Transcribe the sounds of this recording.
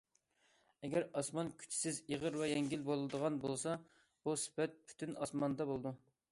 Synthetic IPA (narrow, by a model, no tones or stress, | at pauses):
ɛɡʲɛɾɑsmɑnkʲʰy̥t͡ʃʰi̥sɪziʁəɾwɛjɛŋɡʲilbolˠd̪əʁɑnbolˠsɑ | b̥usɪ̥pɛt̪̚pʰy̥t̪ʰynɑsmɑnd̪ɑbolˠɨd̪u